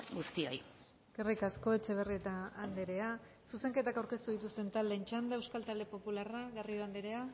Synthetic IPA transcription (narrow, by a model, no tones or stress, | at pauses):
ɡust̪io̞̰j | ɡ̥erekasko̞e̞t͡ʃe̞β̞e̞rie̞t̪aːnd̪eɾe̞a | suse̞ŋke̞t̪akawɾke̞st̪uðit̪ust̪e̞nt̪ald̪e̞nt͡ʃand̪aewskalt̪ald̪e̞po̞pularaɣarioand̪eɾe̞a